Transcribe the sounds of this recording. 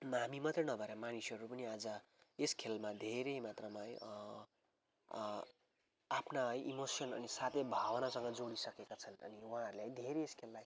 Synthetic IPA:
ɦamimʌt̪rʌnʌbʱʌɾamanisʌɾupʌniad͡zʌ | eskʰelmad̪ʱeɾejmat̪rʌmaj | apʰnaʌjʔimosʌnʌ̰nisat̪ebʱawʌnasʌŋɡʌd͡zoɽisʌkekat͡sʰʌnʌ̰niwɦãʌɾuleʌjd̪ʱeɾeeskʰelːaj

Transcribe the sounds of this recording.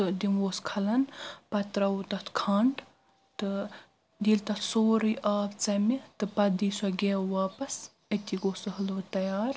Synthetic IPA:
t̪ɨd̪inwoːskʰɐlɐnpɐt̪ɾɐwut̪ɐt̪ʰkʰɐɳɖ | t̪ɨ | d̪iːlt̪ɐt̪ʰsoːɾɨjʔaːpt͡sɐmit̪ɨpɐd̪iːswɐɡʲeːwaːpɐs | ɐt̪ʲiɡoːsɨɦɐlot̪ɐjaːɾ

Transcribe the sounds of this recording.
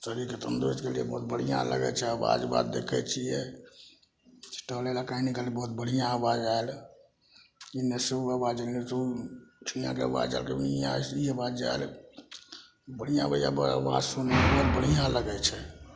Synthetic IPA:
t̪əɾiket̪ənd̪ɾot̪kelijebəɦut̪̚bəɽ̤ijã̰lə̰ɡɛ̰t͡ʃʰɛəʋa̰d͡ʒba̰d̪d̪ekʰɛt͡ʃʰiɛ | si̥ʈəlelakainikeliebəɦut̪bəɽ̤ijãːʋad͡ʒael | ineseuaʋad͡ʒəlet̪ot͡ʃʰijã̰keə̰ʋa̰d͡ʒa̰elkeiaiebad͡ʒd͡ʒa̰el | bəɽ̤ijãbəɽija̰bə̰ʋa̰d͡ʒsonebɔɦut̪̚bəɽ̤ijãləɡɛt͡ʃʰɛ

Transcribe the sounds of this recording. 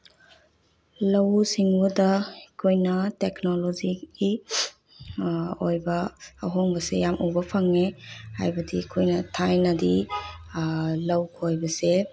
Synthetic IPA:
lɐwsiŋbudɐkʰojnɐteknoloziɡi | ojbɐːɦoŋbɐsḛjamʔubɐpʰɐŋeha̰jbɐdiːkʰojnɐtʰajnɐdi | lɐwkʰojbɐse

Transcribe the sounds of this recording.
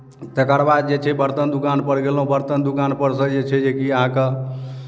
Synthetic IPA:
t̪əkəɾbad̪̚d͡ʒet͡ʃʰɛbəɾt̪ənd̪ukanpəɽɡelõbəɾt̪ənd̪ukanpəɾsə̃d͡ʒet͡ʃʰɛd͡ʒekiəɦãke

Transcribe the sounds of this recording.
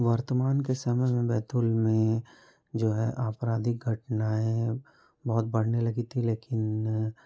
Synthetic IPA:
ʋɐɾt̪əmaːnkesɐməjmẽbɛːt̪ʊlmẽ | d͡ʒoːɦɛ̰ʔaːpɾaːd̪iɡʱɐʈnaẽ | bɔɦʊt̪̚bɐɽ̤nelɐɡit̪ʰileːkɪn

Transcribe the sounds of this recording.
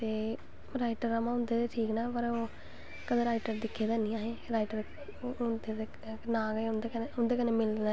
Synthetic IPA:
t̪eː | ɾaːɪʈəɾamãːʊ̃nd̪eːd̪eːʈʰiːknaːpəɾoː | kəd̪eːɾaːɪʈəɾd̪ɪkʰːeːd̪aːnĩːaːɦeːɾaːɪʈəɾ | ʊnd̪eːd̪e | nãːɡəeʊnd̪ekeʊnd̪eːkəneːmɪld̪a

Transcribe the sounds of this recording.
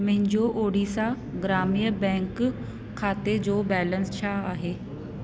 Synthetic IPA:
mə̃ɦɪ̃ɲd͡ʑoʔoːɽisa | ɡɾaːmijəbɛ̃ːŋkʰː | aːt̪ed͡ʑoːbɛːlə̃nst͡ɕʰaːaːɦeː

